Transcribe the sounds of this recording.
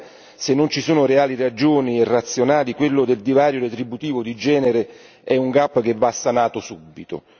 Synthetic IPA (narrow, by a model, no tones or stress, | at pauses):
senːont͡ʃisuːnʊɾeaːlirad͡ʒoːnierːat̪sːjonaːlikwelːʊd̪eld̪ivaːɾjoɾet̪ɾibut̪iːvod̪id͡ʒɛːneɾe | ɛuŋɡapːk̟evːasːanaːt̪ʊsubːit̪o̰